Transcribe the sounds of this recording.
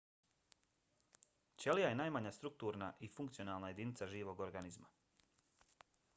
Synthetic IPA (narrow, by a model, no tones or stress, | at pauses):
t͡ʃelijaje̞naːjmaɲast̪ɾuk̚t̪uːɾnaʔifuŋkt̪sionaːlˠnaje̞d̪iːnit̪saʒiːʋo̞ɡoɾɡanizma